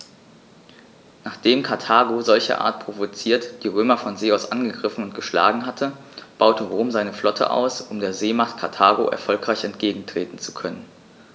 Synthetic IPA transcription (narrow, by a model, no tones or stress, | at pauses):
naːχd̥eːmkʰaɐtʰaːɡozɔlçɐ̰ʔa̰ːɐt̚pʁ̥ovot͡siːɐtd̥iːʁ̞øːmɐfɔnzeːaʊsʔanɡəɡʁɪfn̩ʊntɡ̥əʃla̰ːɡŋ̩ɦatʰə | b̥aʊtʰəʁoːmzaɪnəflɔtʰə̰ʔa̰ʊsʔʊmdeːɐzeːmaχtkʰaɐtʰaːɡo̰ʔɛ̰ɐfɔlkʁ̥aɪçɛntɡ̥eːɡŋ̩tʁ̥eːtn̩t͡su̥kʰœnən